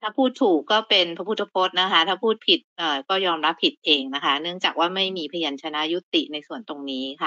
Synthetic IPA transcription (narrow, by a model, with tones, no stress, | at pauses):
t̪ʰaː˥˩pʰuː˥˩t̪ʰːuː˨˩kːɔː˥˩pe˧npʰa˧pʰu˥˩t̪ʰːa˧pʰoː˦˥t̪̚na˦˥kʰa˦˥t̪ʰaː˥˩pʰuː˥˩t̪̚pʰi˨˩t̪̚ʔəː˨˩kɔː˥˩jɔː˧mɾa˦˥pʰːi˨˩t̪̚ʔeː˧ŋna˦˥kʰa˦˥nɯ˥˩əŋt͡ɕaː˨˩k̚waː˥˩ma˥˩jmiː˧pʰa˧ja˧nt͡ɕʰa˧na˦˥ju˦˥t̪i˨˩na˧jsu˨˩ənt̪o˧ŋniː˦˥kʰa˥˩